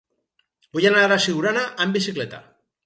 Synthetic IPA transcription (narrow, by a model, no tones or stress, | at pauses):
bujanaaɾasiɣuɾanaʔambisikle̞t̪a̰